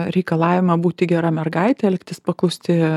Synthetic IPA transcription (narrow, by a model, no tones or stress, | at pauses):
ɾʲɛɪkɐlˠɑːʋʲɪmɐbuːt̪ʲɪɡʲɛɾɐmʲɛrɡɐɪt̪ʲɛɛlʲkt̪ʲɪspɐklˠɐʊsʲt̪ʲɪ